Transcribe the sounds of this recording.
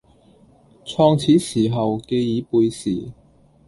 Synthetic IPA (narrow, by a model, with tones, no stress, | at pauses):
t͡sʰɔː˧ŋt͡sʰiː˨˥siː˨˩ɦɐ˨wke˧jiː˨˥puː˨˧jsiː˨˩